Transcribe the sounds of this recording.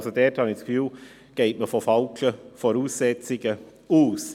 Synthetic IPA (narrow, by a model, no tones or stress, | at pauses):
sɔd̪eːʈʰɑnɪskʋyː | ɡ̥eɪtməfɔfɑʊkʰləfɔɾʉːsɛt̪t͡sɪɡə | uːs